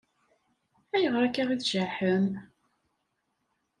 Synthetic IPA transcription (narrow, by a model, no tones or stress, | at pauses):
æjəʁɾækaʁiðʒaħəm